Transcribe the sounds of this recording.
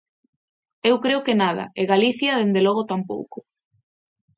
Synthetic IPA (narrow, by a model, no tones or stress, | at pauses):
ewkɾeʊkenaðɐ̰eɣaliθjɐðend̪elɔɣ̞ʊt̪ampo̰wkʊ̥